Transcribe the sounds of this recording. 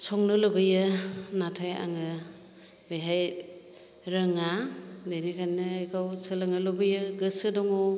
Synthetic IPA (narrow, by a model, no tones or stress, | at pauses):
sɔŋnɯloɡɯjɯnatʰaja̰ŋɯ | bejɦaj | ɾəŋadenikʰajnɯːjkʰawsɯlɯŋɯlobɯjɯɡɯsɯdɔŋɔ